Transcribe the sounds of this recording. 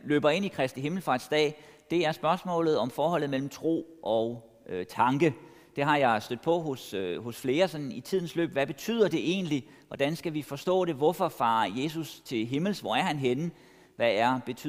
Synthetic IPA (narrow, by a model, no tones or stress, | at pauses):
lø̰ːb̥ɐe̝nikʰʁɛsd̥iɦe̝ml̩fɑ̈d̥sd̥ɛ̰ːd̥e̝æɐsb̥ɶɐsmɔ̰̽ːlð̩ˠɒ̽mfɒːɦɒ̽l̰ð̩ˠmel̰m̩t͡sʰʁo̝̰ːʔɒ̽ʊ | t͡sʰɑ̈ŋɡ̥ə | d̥e̝ɦɑ̈jɑ̈ɪsd̥ød̥̚ˠpʰɒ̽ɦosho̽sfle̝ːɐsɒ̽nnit͡sʰið̞̰ˠn̩slø̰ːb̥ʋæb̥e̝t͡sʰy̰ːð̰ˠɐd̥e̝ʔe̝̰ːnli | ʋɒd̥ænsɡ̥æʋifɒ̽sd̥ɔ̰̽ːɾ̥e̝ʋɒfɒfɑ̰̈ːje̝ːsust͡sʰe̝lɦe̝ml̩sʋɒæɐhænɦenə | ʋææɐb̥e̝t͡sʰy